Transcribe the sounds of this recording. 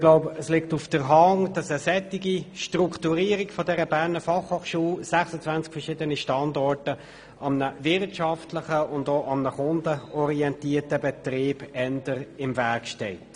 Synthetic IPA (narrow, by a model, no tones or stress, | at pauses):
ɡ̥lɔʊbəslɪktufd̥ərɦɑŋd̥ɑsəsɛtːiɡiʃtruktuʁiːəɾɪkfɔdɛɾəbæːʁnəfɑχhoχʃuːlsæχsət͡svænt͡skfɛɾʃɪdəniʃtɑndɔɹtə | ʔɑmnəvɪɾtʃɑftləχəʊndoːʔɑmnəχʊndəɔɾiɛntiːtəbɛtriːb̥ɛndəɾɪmvækʃtɛɪt